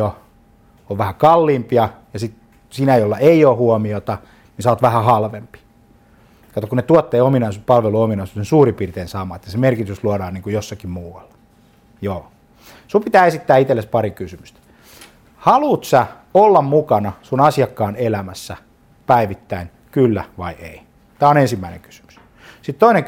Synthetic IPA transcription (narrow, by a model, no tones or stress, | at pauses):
o | oʋʋæhækɑlːiːmpiɑjɑsit̪ | sinæjolːɑʔeioːhuomiot̪ɑ | nisɑoːt̪ʋæhæhɑlʋempi̥ | kɑˑt̪okunet̪uot̪ːeːominɑisupɑlʋeluominɑisusensuːripiːrt̪eːnsɑːmɑet̪ːæsemerkit̪ysluodɑːniːŋkujosːɑkimmuːɑlːɑ̥ | joː | sumpit̪æːesit̪ːæːit̪elːespɑrikysymyst̪æ̥ | hɑluːt̪sæ | olːɑmmukɑnɑsunɑsiɑkːɑːnelæmæsːæ | pæiʋit̪ːæin | kylːæʋɑiḛi | t̪æːonensimːæinḛŋky̥sy̥my̥s | sit̪t̪oineŋ